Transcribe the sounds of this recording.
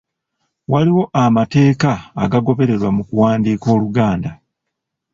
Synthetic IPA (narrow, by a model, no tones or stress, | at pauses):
waliwo̞ʔamate̞ːkaːɡaɡo̞βe̞ɾe̞ɾwamukuwaːndiːko̞ːluɡaːnda